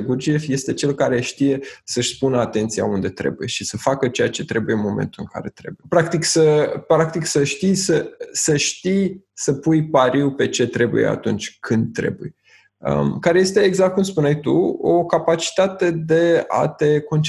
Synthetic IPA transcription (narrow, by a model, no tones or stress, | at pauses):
ɡurd͡ʒiefje̞st̪e̞t͡ʃe̞lkaɾe̞ʃt̪ije̞səʃʲspunəat̪e̞nt̪sija̰und̪e̞t̪ɾe̞̰buje̞ʃisəfakət͡ʃe̞jat͡ʃe̞t̪ɾe̞buje̞ɨnmo̞mḛnt̪ulɨŋka̰ɾe̞t̪ɾe̞̰bujpɾak̚t̪iksəpɾak̚t̪iksəʃt̪ijsəsəʃt̪ijsəpujpaɾiwpe̞t͡ʃe̞t̪ɾe̞bṵje̞̰a̰t̪unt͡ʃʲkʰɨnd̪̚t̪ːɾe̞̰buj | ə̰mkaɾe̞je̞st̪e̞ːɡzak̚t̪̚kumspunajt̪uo̰kapat͡ʃi̥t̪at̪e̞d̪e̞a̰t̪e̞ko̞nt͡ʃ